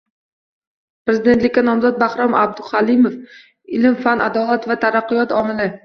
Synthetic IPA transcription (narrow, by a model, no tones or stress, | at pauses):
pɾezɪd̪et̪lɪkʲːanɒmzɒt̪̚bahɾɒmʔa̰b̚d̪ʊχalɪmof | ɪlɪmfanʔa̰d̪ɒlˠat̪vat̪ʰaɾaqːʊjɒt̪ɒmɪlɪ